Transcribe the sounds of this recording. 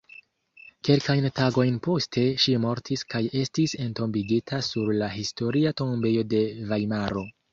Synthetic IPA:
ke̞lkajntaɡo̞jnpo̞stʰe̞ʃimo̞ɾtʰiskaje̞stise̞nto̞mbiɡitʰasuɾlaɦisto̞ɾiato̞mbe̞jo̞de̞vajmaɾo̞

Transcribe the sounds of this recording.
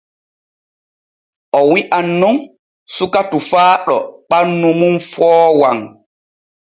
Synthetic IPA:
ʔɔwiʔanːun | sukatufaːɗɔ̰ɓanːumunfɔːwaŋ

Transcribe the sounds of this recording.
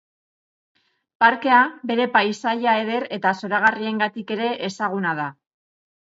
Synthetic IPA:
paɾke̞abe̞ɾe̞pajsajae̞ðe̞ɾe̞t̪aso̞ɾaɣ̞arie̞ŋɡat̪ike̞ɾe̞ʔesaɣ̞unað̞a

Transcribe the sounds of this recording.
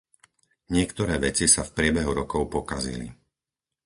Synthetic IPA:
ɲɪɛkt̪ɔɾɛːʋɛt͡sisafpɾɪɛbɛɦuɾɔkɔʊpɔkazḭlḭ

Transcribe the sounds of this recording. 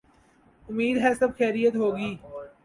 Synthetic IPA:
ʊmiːd̪ɦɛːsɐbxɛːɾijət̪ɦoːɡiː

